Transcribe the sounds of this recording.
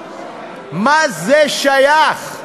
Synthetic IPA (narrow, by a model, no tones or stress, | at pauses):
mazɛʃaja